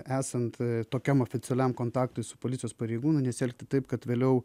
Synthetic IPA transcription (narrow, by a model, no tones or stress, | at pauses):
æːsɐnt̪t̪oːkʲɛmoːfʲɪt͡s̪ʲɛlʲɛmkoːnt̪ɑːkt̪ʊɪsʊ̥poːlʲɪtsʲɪjoːspɐɾʲɛɪɡuːnʊnʲɛsʲɪɛlʲk̚ʲt̪ʲɪt̪ɐɪpkɐt̪ʋʲeːlʲɛʊ